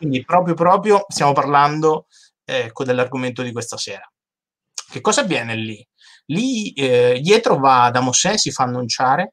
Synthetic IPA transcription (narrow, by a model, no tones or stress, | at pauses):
kwind̪ipɾɔːp̬ɾjopɾɔːpɾjost̪jamoparland̪o | kod̪elːarɡoment̪od̪ikwest̪asɛːɾa | k̟ekːɔːzavjɛːnelːi | li | jɛːt̪ɾovad̪amosɛsifaːnːunt͡ʃaːɾe